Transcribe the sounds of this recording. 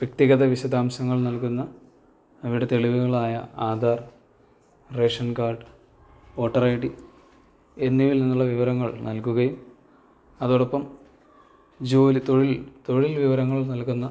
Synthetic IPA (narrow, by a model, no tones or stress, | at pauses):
ʋjɐkt̪iɣɐðɐʋiɕɐd̪aːmɕɐŋːɐɭnɐlkunːɐː | ʋɽe̞t̪eɭiʋuɣɐɭaːjɐ̰aːd̪ʱaːr | reːʂɐnkaːrɖɨ | o̞ːʈːɐrɐjɽi | e̞nːiʋilninːuɭːɐʋiʋɐɾɐŋːɐɭnɐlkuɣɐjum | ɐðoːɽɐpːɐm | d͡ʑoːlt̪o̞ɻilt̪o̞ɻilʋiʋɐɾɐŋːɐɭnɐlkunːɐ